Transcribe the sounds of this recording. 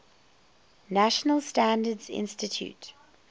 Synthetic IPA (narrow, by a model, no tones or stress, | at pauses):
næʃənəlˠstæ̃ndədzɪ̰̃nstɪtʰjṵt